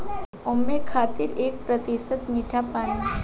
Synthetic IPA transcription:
omːekʰaːt̪iɾeːk̚pɾət̪isət̪miʈʰapaːni

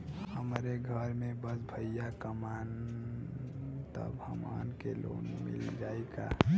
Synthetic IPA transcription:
həmɾeɡʱəɾmẽbəsbʱəjjakəman | t̪ə̰bhə̰ma̰nkelo̰nmḭld͡ʒaːeka̰

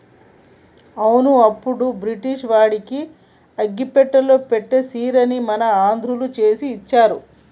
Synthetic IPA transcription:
ɐwunuɐpːuɽubɾiʈiʂʋaːɽiki | ɐɡːipɛʈːɐloːpeʈːesiːɾɐnimɐnɐaːnd̪ʱɾulut͡ʃe̞ːsiːt͡ʃːaːɾu

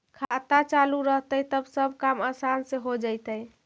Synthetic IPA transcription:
kʰat̪at͡ʃaluɾəɦt̪əjt̪əbsəbʱkaməsanseɦod͡ʒajt̪əj

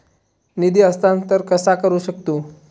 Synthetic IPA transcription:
nid̪iəst̪ant̪əɾkəsakəɾuɕəkt̪u

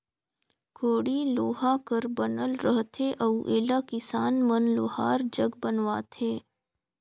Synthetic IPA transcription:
kʰoːɽiloːɦakəɾbənəlɾəɦt̪ʰeʔɐuʔeːlakɪsaːnmənloːhaːɾd͡ʒəɡbənwaːt̪ʰeː

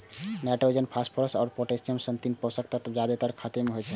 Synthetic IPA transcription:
nɛʈɾod͡ʒənpʰasʈpʰɔɾəsɔːɾpoʈesijəmsənt̪inpɔsək̚t̪ət̪d͡ʒjad̪et̪əɾkʰat̪emeɦojt͡ʃʰɛ

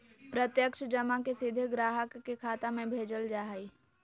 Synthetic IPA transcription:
pɾət̪jəkʃd͡ʒəmakesɪd̪ʱɡɾaːɦəkːekʰaːt̪amẽbʱeːd͡ʒəld͡ʒaːɦi

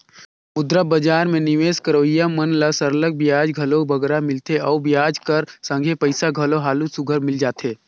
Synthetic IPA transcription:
ʊd̪ɾabəd͡ʒaːɾmẽnɪʋeːskəɾoːijamənləsəɾələɡ̚bjaːd͡ʒɡʱəlobʱəɡɾamɪlt̪eɔːɾbjaːd͡ʒkəɾsə̃ŋɡʱepəɪsaɡʱəloɦaːlusʊɡʱəɾmɪld͡ʒaːt̪ʰeː

